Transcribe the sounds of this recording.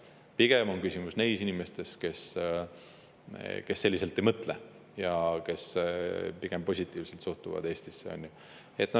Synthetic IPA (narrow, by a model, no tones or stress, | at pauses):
piɡ̥e̞mo̞nkysʲimusne̞jsinime̞st̪e̞ske̞s | ke̞sːelːise̞lt̪ːˑejmɤt̪ˑle | jɑke̞s | piɡ̥empo̞sʲit̪ːˑiːvselt̪suht̪uvɑ̰d̪̥e̞ːsʲt̪isːeo̰nʲju | e̞t̪ːˑnɑ